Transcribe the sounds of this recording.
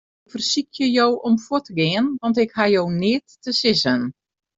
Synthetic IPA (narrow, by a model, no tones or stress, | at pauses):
fərsikʰjəjowʔɔmfoətəɡɪːənʋɑntɪkhajownɪətːəsɪsən